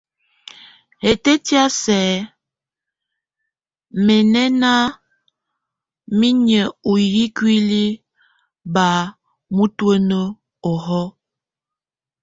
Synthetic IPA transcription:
he˨te˦tja˦sɛ˨˦ | me˨nɛ˦na˦ | mi˦ɲə˨u˨ji˦kwi˦li˦ | ba˨˦ | mu˦twə˦nə˦ | ɔ˨ɦɔ˦

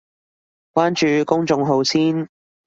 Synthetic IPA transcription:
kwaː˥nt͡ʃyː˨˧kʊ˥ŋt͡ʃʊ˧ŋɦo˨˧wsiː˥n

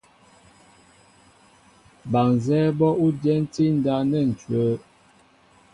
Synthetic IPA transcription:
ba˨ŋzɛː˦bɔ˦u˦djɛ˦n̩˦ti˦n̩˦da˦nɛ˦˨n̩˨t͡ʃɥəː˨˦

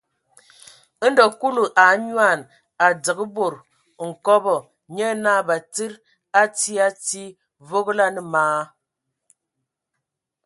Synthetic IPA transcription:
dɔ˨ku˦lu˨ʔa˨˦ɲwa˦˨n | a˨d͡zə˨ɡə˦bo˨ɾ | ŋ̩˨kɔ˦bɔ˨ | ɲɛ˦na˦˨ba˨ti˦ɾ | a˦ti˦a˦ti˦ | vo˦ɣla˦nə˨maː˨˦

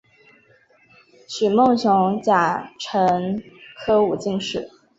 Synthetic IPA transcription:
ɕy˨˩mo˥˩ŋɕjʊ˧˥ŋt͡ɕja˨˩ʈ͡ʂʰɤ˧˥ŋkʰɤ˥u˨˩t͡ɕi˥˧ŋʂɻ̩˥˩˦

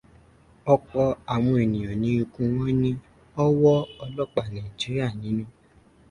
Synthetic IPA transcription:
ɔ˧k͡pɔ˧a˨w̃ɔ̃˧e˨nĩ˨j̃ɔ̃˨nĩ˨˦u˧kũ˧w̃ɔ̃˦nĩ˦ | ɔ˦wɔ˦ɔ˧lɔ˦k͡pa˨nã˨i˨d͡ʒi˨˦ɾi˦a˦˨nĩ˨˦nũ˦

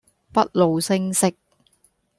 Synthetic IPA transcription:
pɐ˦˥t̚lo˨wsɪ˥ŋsɪ˥k̚

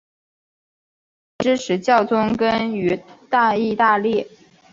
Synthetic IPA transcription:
ʈ͡ʂɻ̩˥ʂʰɻ̩˨˧˥t͡ɕjɑ˥˩ʊt͡sʊ˥ŋkə˥ny˧˥t̪a˥˧i˥˧t̪a˥˧ljɛ˥˩

